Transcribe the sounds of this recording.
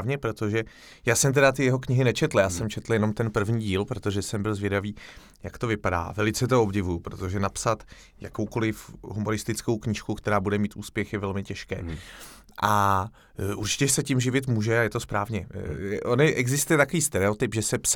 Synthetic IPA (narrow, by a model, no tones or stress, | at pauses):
vɲɛpɾo̞t̪o̞ʒɛ | jaːsɛmt̪̬ɛdat̪ɪjɛɦo̞kɲɪɦɪnɛt͡ʃɛt̪l̩jaːsɛmt͡ʃʰɛt̪l̩jɛnomt̪ɛnpr̩vɲiːɟiːlpɾot̪o̞ʒɛsɛmbɪlzvjɛdaviː | jakt̪o̞vɪpada̰ːvɛlɪt͡sɛt̪o̞o̞bɟɪvujupɾot̪o̞ʒɛnapsat̪ | jakowko̞lɪfɦumo̞ɾɪst̪ɪt͡sko̞wkɲɪʃkukt̪ɛɾaːbudɛmiːt̪ʔṵːspjɛxjɛvɛlmɪcɛʃkɛ̰ː | ʔa | ʔuɾt͡ʃɪ̥cɛsɛcɪmʒɪvɪt̪muːʒɛajɛt̪ospɾaːvɲɛɛʔonjɛʔɛɡzɪst̪ujɛt̪akoviːst̪ɛɾɛot̪ɪpʒɛsɛps